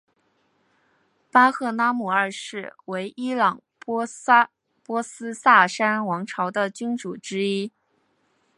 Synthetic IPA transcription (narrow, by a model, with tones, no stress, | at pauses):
pa˥xɤ˥˩na˥mu˨˩ə˞˥˧ʂɻ̩˥˩we˧˥ɪʔi˥lɑ˨˩ŋ | p | pwɔ˥sɹ̩˥sa˥˩ʂa˥nwɑ˧˥ŋʈ͡ʂʰɑ˧˥ʊd̪ə˧t͡ɕy˥nʈ͡ʂu˨˩ʈ͡ʂɻ̩˥i˥